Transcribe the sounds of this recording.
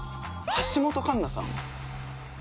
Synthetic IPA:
haɕimo̞t̪o̞kãnːasã̰no̰

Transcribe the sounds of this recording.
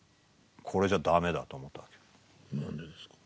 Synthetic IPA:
kʰoɾed͡ʒad̪amed̪at̪omot̪akʲo̥ | nand̪ed̪esk

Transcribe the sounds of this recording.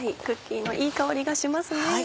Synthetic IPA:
aikɯ̟kʲːiːno̞ʔiːkaoɾʲiɡaɕimasɨne

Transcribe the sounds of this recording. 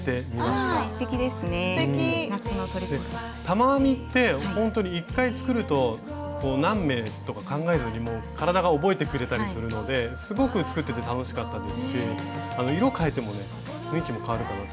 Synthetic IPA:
t̪e̞mʲimaɕt̪ekʲid̪e̞sɨnenanot̪oɾid̪e | t̪amamʲit̪ːe̞hõ̞nt̪o̞ɲ̟iːkːait͡sɨ̥kɯ̟ɾɯ̟t̪o̞ | koːnãmːe̞t̪o̞kakãŋɡae̞zɨɲ̟ʲimo̞ːkaɾad̪aɡao̞bo̞e̞t̪e̞kɯ̟ɾe̞t̪aɾissɨɾɯ̟no̞d̪e̞sɨɡo̞kɯ̟t͡sɨ̥kɯ̟t̪ːe̞t̪e̞t̪ano̞ɕi̥kat̪ːad̪esɨ̥ɕiano̞iɾo̞kae̞t̪e̞mo̞ne̞ | hɯ̟̃ŋkʲimo̞kaβaɾɯ̟kanat̪

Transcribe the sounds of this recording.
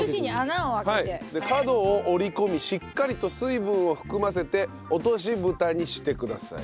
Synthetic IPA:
ɯɕiɲianaoβakhaied̪e̞kad̪o̞ːʔoɾʲiko̞mʲiɕikːaɾʲit̪o̞sɨibɯ̃ɰ̃o̞ɸɯ̟̥kɯ̟mas̬e̞t̪e̞ | o̞t̪o̞ɕ̬ibɯ̟t̪aɲ̟iɕi̥t̪e̞kɯ̟d̪a̰sa̰ḭ

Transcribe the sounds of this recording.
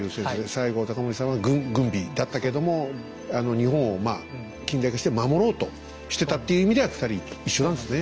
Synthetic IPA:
ɯːsẽsod̪esaiɡo̞t̪akamoɾʲisãɰ̃βaɡɯ̟̃ŋɡɯ̟̃mbʲid̪at̪ːaked̪o̞mo̞ | ano̞ɲ̟ihõɰ̃omaː | kʲĩnd̪aikaɕi̥t̪emamo̞ɾo̞ːt̪o̞ | ɕi̥t̪e̞t̪at̪ːe̞jɯ̟imid̪e̞βaki̥t̪aɾʲiiɕːo̞nand̪esɨne

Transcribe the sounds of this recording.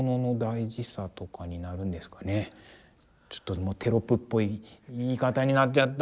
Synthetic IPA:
no̞no̞d̪aiʑisat̪o̞kaɲ̟inaɾɯ̟̃nd̪e̞sɨ̥kane | t͡ɕo̥t̪ːo̞moːt̪ʰe̞ɾo̞pɯ̟pːo̞iiːkat̪aɲ̟inat͡ɕat̪ː

